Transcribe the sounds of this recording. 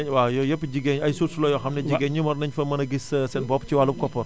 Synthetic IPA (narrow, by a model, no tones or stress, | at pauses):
ɐɲwajɔjɐpːid͡ʒiɡɛɲɐjsuɾsulɔjɔxɐmnɛd͡ʒiɡɛɲːimɔɾnɐɲfɐmɐnɐɡisɐsɛnbɔpt͡ʃiwalup̚kɔpːɔr